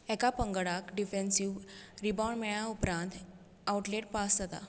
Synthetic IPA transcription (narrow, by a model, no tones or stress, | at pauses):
ɛkapəŋɡəɽakɖifẽnsiʋɾibaɳmɛɭaupɾãnt̪ | awʈleʈ̚pasd͡zət̪a̰